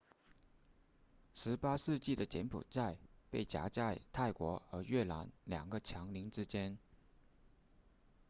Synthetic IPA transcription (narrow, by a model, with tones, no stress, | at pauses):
ʂɻ̩˧˥pa˥ʂɻ̩˥˧t͡ɕi˥˩d̪ə˩t͡ɕjɛ˧˥npʰṵ˨˩t͡sa˥˧ɪpe˥˩ɪt͡ɕja̰˧˥t͡ɕa˥˧ɪt̪ʰa˥˩ɪkwɔ˧˥ə˧˥ɥɛ˥˩la̰˧˥nljɑ̰˨˩ŋɡə˦t͡ɕʰjɑ˧˥ŋli˧˥ŋʈ͡ʂɻ̩˥t͡ɕjɛ˥n